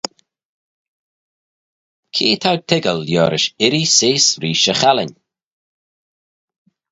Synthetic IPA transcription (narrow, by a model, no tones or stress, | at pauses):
kʰiːt̪ʰawtʰɪɡəljɔːɾɪʃɪɾiseːsɾiːʃəxalɪnʲ